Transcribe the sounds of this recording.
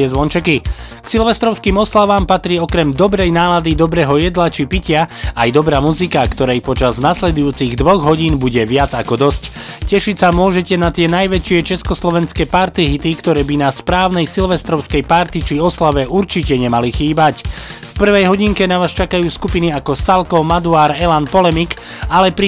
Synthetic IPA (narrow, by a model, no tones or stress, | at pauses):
ɛzʋɔnt͡ʃɛki | ksilʋɛst̪ɾɔʊskiːmɔslaʋaːmpat̪ɾiːɔkɾɛmd̪ɔbɾɛjnaːlad̪id̪ɔbɾɛːɦɔjɛd̪lat͡ʃipicɪaajd̪ɔbɾaːmuzikakt̪ɔɾɛjpɔt͡ʃaznaslɛd̪ujuːt͡siɣd̪ʋɔɣɦɔɟiːnbuɟɛʋɪad͡zakɔd̪ɔsccɛʃicsamʊɔʒɛcɛnat̪ɪɛnajʋɛt͡ʃɪɛt͡ʃɛskɔslɔʋɛnskɛːpaɾt̪iɦit̪ikt̪ɔɾɛːbinaspɾaːʊnɛjsilʋɛst̪ɾɔʊskɛjpaɾt̪it͡ʃiɔslaʋɛʔuɾt͡ʃicɛɲɛmalixiːbac | fpr̩ʋɛjɦɔɟiŋkɛnaʋaːst͡ʃakajuːskupiniakɔsalkɔmad̪uaːɾɛlanpɔlɛmik | alɛpɾi